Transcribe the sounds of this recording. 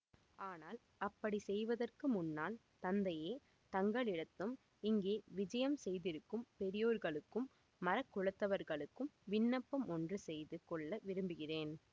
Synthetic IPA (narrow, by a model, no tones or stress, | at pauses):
aːnaːl | ɐpːɐɽisɛjʋɐðɐrkɯmʊnːaːl | t̪ɐnd̪ɐjeː | t̪ɐŋɡɐɭɪɽɐt̪ːɯm | ɪŋɡeːʋɪd͡ʒɐjɐmsɛjðɪɾɯkːɯmpɛɾɪjoːɾɣɐɭɯkːɯmː | ɐɾɐkːʊɻɐt̪ːɐʋɐɾɣɐɭɯkːɯmʋɪnːɐpːɐmɔndrɯsɛjðɯkɔɭːɐʋɪɾɯmbɯɣɪreːn